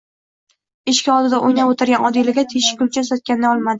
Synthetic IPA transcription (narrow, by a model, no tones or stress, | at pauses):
ɪʃkʲaɒlˠd̪ɪd̪aʔojnapot̪ʰɪɾɡʲanʔɒd̪ɪlaɡʲat̪ʰeʃɪ̥kʲʊlt͡ʃʰasɒt̪̚kʲanɪd̪aɒlˠmad̪ɪ